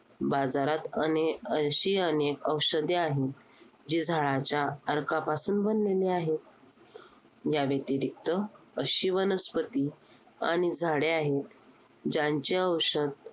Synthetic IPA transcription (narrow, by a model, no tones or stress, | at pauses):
bad͡zaɾat̪əneəɕiːənekəwɕəd̪eaɦet̪̚ | d͡ʑiːd͡zʱaɭat͡ɕjaəɾkapasuːnbənːeleaɦet̪̚ | jaʋet̪iɾik̚t̪ə | əɕiːʋənəspət̪i | a̰ɽ̃id͡zʱaɽeaɦet̪ | d͡ʑaɲt͡ɕeəwɕəd̪̚